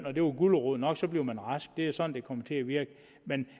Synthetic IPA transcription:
n̰ɒ̽d̥e̝ʋɑɡ̥uləʁoð̰ˠnɒ̽ɡ̥sɒ̽b̥liʊmænʁɑsɡ̥̚d̥e̝æsɒ̽nn̩d̥e̝kʰɒ̽mət͡sʰe̝æʋiɐɡ̥ə | men

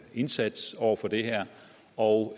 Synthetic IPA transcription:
e̝nsæd̥sɒʊ̰ɐfɒ̽d̥e̝ɦɛɐ̰ | ɒʊ

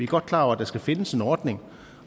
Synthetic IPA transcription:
iæɡ̥ɒ̽d̥̚kʰlɑ̰̈ːɒæd̥ɑ̈sɡ̥æfe̝nəse̝nɒːd̥ne̝ŋ

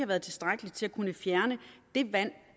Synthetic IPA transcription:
hɑ̈ʋæɐð̞ˠt͡sʰe̝lsd̥ʁaɡ̥əlit͡sʰe̝lækʰunəfjæɐnəd̥e̝ʋæn̰

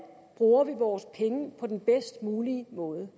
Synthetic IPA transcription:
b̥ʁuːɐʋiʋɒːspʰeŋəpʰɒ̽d̥enb̥esd̥muːlimɔ̽ːð̞ˠə

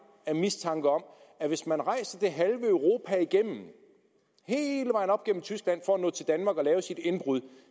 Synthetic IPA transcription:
æmist͡sʰɑ̈ŋɡ̥əɒ̽m̰ | æʋe̝smænʁɑ̈ɪ̰sɐd̥e̝ɦælʋəœʊʁo̝ːpʰæiɡ̥em̰m̩ | he̝ːləʋɑ̈ɪ̰nɒ̽b̥ɡ̥ḛm̩t͡sʰysɡ̥læn̰fɒænɔ̰ːt͡sʰe̝ld̥ænmɑ̈ːɡ̥ɒlɛːʊsid̥e̝nb̥ʁuðˠ

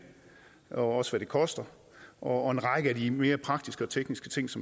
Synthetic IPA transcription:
ɒɒ̽səʋæɾ̥e̝kʰɒ̽sd̥ɐ | ʔɒ̽ːe̝nʁɑ̈ɡ̥əædime̝ːɐpʰʁɑ̈ɡ̥d̥isɡ̥əɒ̽t͡sʰeɡ̥nisɡ̥ət͡sʰe̝ŋ̰sɒ̽m

